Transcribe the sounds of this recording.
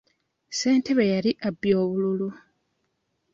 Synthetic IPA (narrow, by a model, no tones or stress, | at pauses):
se̞ːnte̞βejaliʔabːjo̞ːβululu